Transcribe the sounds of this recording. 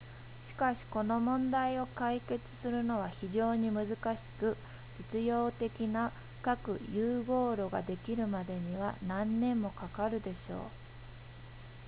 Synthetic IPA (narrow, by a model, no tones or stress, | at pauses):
ɕi̥kaɕi̥ko̞no̞mõ̞nd̪aio̞kaike̞t͡sɨ̥sɨɾɯ̟no̞β̞açiʑo̞ːɲ̟imɯ̟zɨkaɕi̥kɯ̟ | d͡ʑit͡sɨjo̞ːt̪e̞kʲina | kakɯ̟̰jɯːɡo̞ːɾo̞ɡa̰d̪e̞kʲiɾɯ̟mad̪e̞ɲ̟iβa̰nãnːẽ̞mːo̞kakaɾɯ̟d̪e̞ɕo̞̰ː